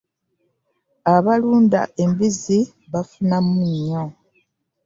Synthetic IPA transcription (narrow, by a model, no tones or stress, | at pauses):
aβaluːnda̰ʔe̞mbizi | βafunamuɲːo